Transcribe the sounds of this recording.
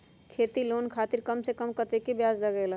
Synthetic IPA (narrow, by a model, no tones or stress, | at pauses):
kʰeːt̪iloːnkʰaːt̪ɪɾkɐmsekəmkət̪ekebjaːd͡ʒlɐɡɛːla